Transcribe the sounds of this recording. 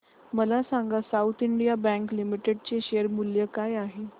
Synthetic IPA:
məlasaŋɡasaut̪ʰiɳɖijabɛ̃ŋklimiʈeɖ̚t͡ɕeɕeəɾmuljəkajaɦe

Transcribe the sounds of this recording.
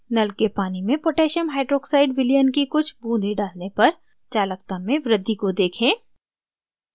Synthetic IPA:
nɐlkepaːnimẽpoːʈeːʃəmɦaːɪʈɾoːksaːɪɖʋɪliənkikʊt͡ʃʰbũːnd̪ʱeɖaːlnepɐɾ | t͡ʃaːlək̚t̪əmːẽʋɾɪd̪ʱːikod̪eːkʰẽː

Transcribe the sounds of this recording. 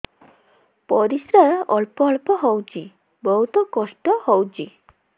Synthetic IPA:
pɔɾisɾaɾɔlpɔːlpɔɦɔwt͡ʃʰi | bɔɦut̪ɔkɔsʈɔhɔwt͡ʃʰi

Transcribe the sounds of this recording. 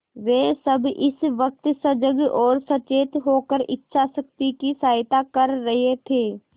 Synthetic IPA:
ʋeːsəbɪsʋək̚t̪səd͡ʒəɡɔːɾsɐt͡ʃeːt̪ɦoːkəɾɪtːʃʰasək̚t̪ikisaːɪt̪akəɾːɐɦet̪ʰeː

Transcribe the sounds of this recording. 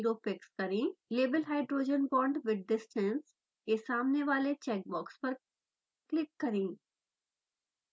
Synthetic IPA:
ɾoːpɪkskɐɾĩːleːbəlɦaːɪɖɾoːd͡ʒənbɔ̃ːɳɖʋɪɖ̚ːɪsʈʰɛ̃ns | kesaːmneʋaːlet͡ʃɛːk̚bɔːkspɐɾ | klɪkːɐɾĩː

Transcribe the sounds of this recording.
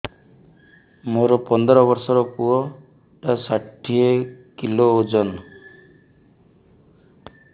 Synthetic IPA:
moɾɔpɔnd̪ɾɔbɔɾsɔɾɔkuɔ | ʈasaʈʰiekiloːd͡ʒɔn

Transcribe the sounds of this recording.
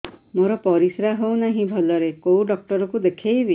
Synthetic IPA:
moɾɔpɔɾisɾaɦownaɦĩbʱɔlɔɾekowɖɔk̚ʈɔɾɔkud̪ekʰejbi

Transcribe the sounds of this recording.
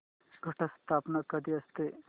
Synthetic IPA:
ɡʱɐʈʰɐst̪ʰaːpnakɐd̪iɐst̪e

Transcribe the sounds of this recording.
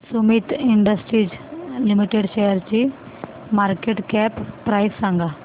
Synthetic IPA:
sumit̪iɳɖəsʈɾiːd͡ʑlimiʈeɽɕejəɾt͡ɕi | maɾkeʈkɛppːɾajsːãŋɡʱa

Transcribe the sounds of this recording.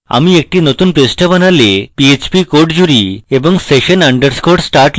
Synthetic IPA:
a̰miek̚ʈinot̪uːnpɾesʈəbənalepiet͡ɕpikoɾʈd͡ʑuɾiebəŋseɕənaɳɖəɾskoɾʈsʈaɾʈl

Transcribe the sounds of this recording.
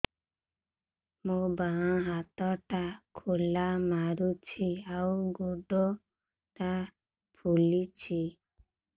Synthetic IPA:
mubaãɦat̪ɔʈakʰulamaɾut͡ʃʰiauɡoɖɔ | ʈa | pʰulit͡ʃʰi

